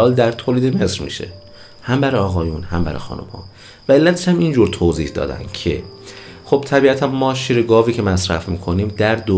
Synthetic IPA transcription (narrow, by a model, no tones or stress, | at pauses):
ɒːld̪æɾt̪ʰoːliːd̪eme̞sɾmḭːʃe̞̰ | hæmbæɾɒːɣɒːjunhæmbæ̰ɾxɒ̰ːnṵmhɒ̰ː | væe̞lːæt̪ʰeʃæmind͡ʒuːɾt̪ʰoːziːhd̪ɒ̰ːd̪æ̰nd̪̥cʰe̞̰ | χo̞b̥t̪ʰæbiːæt̪ʰænmɒːʃiːɾeɡɒːviːcʰe̞mæsɾæ̰fmiːkʰo̞niːmd̪æɾd̪o